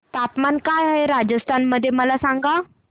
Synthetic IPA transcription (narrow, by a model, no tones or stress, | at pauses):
t̪at̪mankajɦəjɾad͡ʒəst̪ʰanməd̪emalasaŋɡa